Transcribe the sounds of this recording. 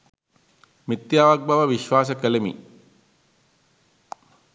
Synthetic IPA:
mit̪jaːʋak̚baʋəʋiʃʋaːs̬əkəlemḭ

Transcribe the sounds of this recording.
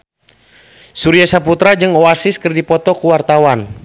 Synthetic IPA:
suɾiasaput̪ɾad͡ʒɨŋɔasɪskərdipɔt̪ɔkuwart̪awan

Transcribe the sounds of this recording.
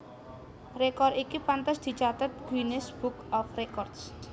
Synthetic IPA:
rekɔrikipant̪əsd̪̥i̤t͡ʃat̪ət̪̚ɡ̥winɪsb̥ukɔfrekɔrd̥s

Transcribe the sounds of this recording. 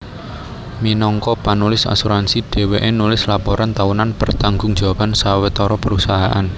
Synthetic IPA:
minɔŋkɔpanulɪsa̰suɾansid̥e̤weʔenulɪslapɔɾant̪aunanpərt̪aŋɡʊŋ̥ʒ̥a̤wapansawet̪ɔɾɔpəɾusaɦaʔan

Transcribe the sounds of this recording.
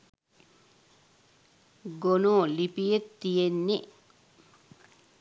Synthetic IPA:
ɡonoːlipijet̪ːijenːi

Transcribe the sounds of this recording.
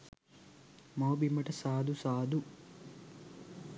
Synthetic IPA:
moːbimɐʈɐsaːd̪usaːd̪u

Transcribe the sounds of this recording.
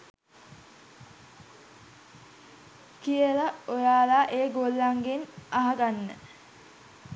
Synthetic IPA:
kijəlaojaːlaːʔeːɡolːaŋɡenaɦaɡanːə̰

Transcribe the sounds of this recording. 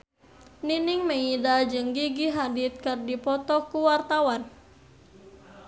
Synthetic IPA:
ninɪŋməidad͡ʒɨŋɡiɡiɦadɪt̪̚kɨrdipɔt̪ɔkuwart̪awan

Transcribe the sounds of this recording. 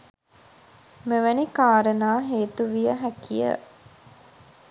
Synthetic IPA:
meʋənikaːɾənaːɦeːt̪uʋijəɦækijə̰

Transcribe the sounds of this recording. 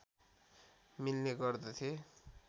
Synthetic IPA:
milneɡʌrd̪ʌt̪ʰje

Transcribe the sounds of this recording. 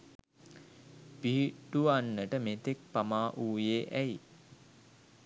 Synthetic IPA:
piɦiʈuʋanːəʈəmet̪ek̚pamaːʔuːjeːʔæji

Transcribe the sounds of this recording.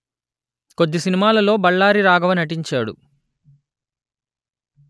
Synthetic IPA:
kod̪ːisinimaːlɐlo̞ːbɐɭːaːɾiɾaːɡɐʋɐnɐʈiɲt͡ʃaːɽṵ

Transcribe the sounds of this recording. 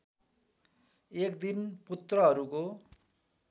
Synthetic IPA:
ekd̪input̪rʌɦʌɾuko

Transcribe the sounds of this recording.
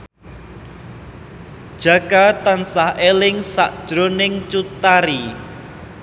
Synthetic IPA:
d̥ʒ̥ä̤kat̪ansahelɪŋsa̰ʔd̥ʒ̥ɾonɪŋt͡ʃut̪aɾi

